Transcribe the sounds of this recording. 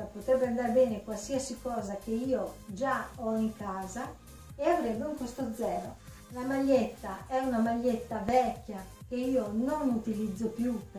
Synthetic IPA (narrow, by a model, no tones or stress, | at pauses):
apot̪ɾɛbːeand̪aɾbɛːnekwalsiasikɔːzak̟eiːod͡ʒaɔiŋkaːza | eavɾebːeuŋpost̪od̪zːɛːɾo | lamaʎːet̪ːaɛunamaʎːet̪ːavɛkːjak̟eiːononut̪ilid̪zːopjup